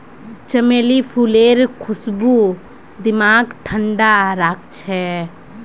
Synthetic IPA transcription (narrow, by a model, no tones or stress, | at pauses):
t͡ʃəmeːlipʰuːleːɾkʰʊsbu | d̪ɪmaːɡʈʰəɳɖaɾaːk̚t͡ʃʰɛ